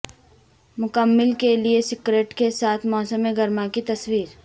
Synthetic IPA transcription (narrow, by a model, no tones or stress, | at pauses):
mʊkəmːɪlkeliesɪkɾeːʈkesaːt̪ʰmɔːsəmeɡɐɾmakit̪ɐswiːɾ